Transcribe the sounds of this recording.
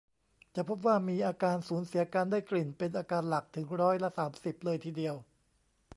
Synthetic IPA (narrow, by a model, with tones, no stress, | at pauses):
t͡ɕa˨˩pʰo˦˥p̬̚waː˥˩miː˧ʔaː˧kaː˧nsuː˩˦nsi˨˩˦ɐkaː˧ndaː˥˩jkli˨˩npe˧nʔaː˧kaː˧nla˨˩k̚t̪ʰɯ˩˦ŋɾɔː˦˥jla˦˥saː˩˦msi˨˩p̚lɤː˧jt̪ʰiː˧di˧əw